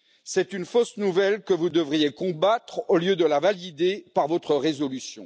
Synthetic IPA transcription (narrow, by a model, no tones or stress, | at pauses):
sɛt̪ynfosnuvɛlkəvud̪əvʁijekɔ̃bat̪χoljød̪əlavalid̪epaʁvɔt̪χəʁezɔlysjɔ̰̃